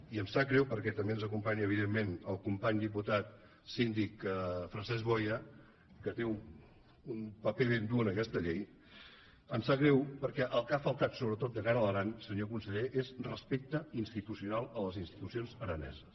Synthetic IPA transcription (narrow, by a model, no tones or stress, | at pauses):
iəmsakɾɛwpəɾkɛt̪əmbeənzəkumpaɲəəβ̞iðemːenəlˠkumpaɲd̪ip̬ut̪at̪ | sind̪ikfɾənsɛzβɔjə | kət̪eu | unpəpeβ̞end̪uənəkɛst̪əʎej | əmsaɣɾɛwpəɾkɛʔəlˠkafəlˠt̪at̪soβɾət̪ot̪̚d̪əɣaɾələɾansəɲokunsəʎeʔezrəspek̚t̪əinst̪it̪usiunalˠələzinst̪i̥t̪usionzəɾənɛ̰zəs